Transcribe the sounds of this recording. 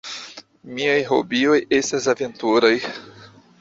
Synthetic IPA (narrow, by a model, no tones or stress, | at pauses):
miajɦo̰biojest̪azavẽnt̪uɾoj